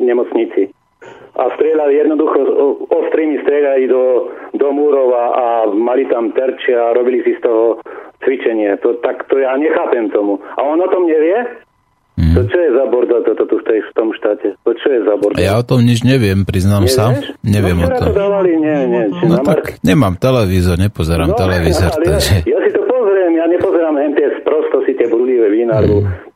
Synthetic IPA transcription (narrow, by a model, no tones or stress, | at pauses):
ɲɛmɔt͡sɲit͡si | ʔa̰st̪ɾɪɛʎalijɛd̪nɔd̪uxɔɔst̪ɾiːmist̪ɾɪɛʎalid̪ɔd̪ɔmuːɾɔʊaʔamalit̪amt̪ɛɾt͡ʃiaɾɔbilisist̪ɔɦɔt͡sʋit͡ʃɛɲɪat̪ɔt̪akt̪ɔjaːɲɛxaːpɛmt̪ɔmua̰ɔnɔt̪ɔmɲɛʋɪɛ | ɦ̪ɔt͡ʃɔjɛzabɔɾd̪at̪ɔt̪ɔt̪uft̪ɛjft̪ɔmʃt̪aːcɛt̪ɔt͡ʃɔjɛzabɔɾdjaɔt̪ɔmɲid͡ʒɲɛʋɪɛmpɾiznaːmsaɲɛʋɪɛmɔɾat̪ɔ̰ɔd̪aːʋaliɲɛɲɛt͡ʃɛnɔmakɲɛmaːmt̪ɛlɛʋiːzɔɾɲɛpɔzɛɾamt̪ɛlɛʋiːzɔɾtlaɡʒɛjasit̪ɔpɔzɾɛmjaɲɛpɔzɛɾaːmɦɛmt̪ɛspɾɔst̪ɔsit̪ɪɛbɾuliʋɛʋinaɾu